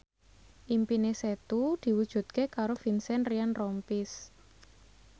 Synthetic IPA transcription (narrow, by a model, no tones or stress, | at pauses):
ʔimpineset̪ud̪̥i̤wud̥ʒ̥ṳt̪̚kekaɾofinsɛnrianrɔmpis